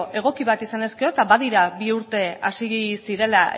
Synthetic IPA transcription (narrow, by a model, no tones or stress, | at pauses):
ʔe̞ɣ̞o̞kiβat̪isane̞ske̞o̞t̪aβað̞iɾaβiuɾt̪e̞a̰siɣisiɾe̞la